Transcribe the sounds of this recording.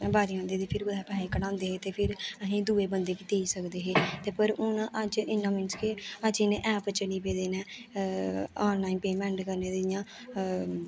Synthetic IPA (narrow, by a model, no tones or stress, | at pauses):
baːɾiãːnd̪eːd̪eːpʰɪɾɡʊd̪ɛːpɛːeːkənãːnd̪eːɦeːt̪eːpʰɪɾəsĩːd̪uːeːbənd̪eːkiːt̪eːisəkd̪eːɦeːt̪eːpəɾʊnaʔəd͡ʒɪnːãːmɪnskeəd͡ʒɪnẽːʔɛːpət͡ʃəniːp̬eːd̪eːnɛ̃ː | ɔːnlaːinpeːmɛ̃ːɳʈkəɾneːd̪ɪɪjãː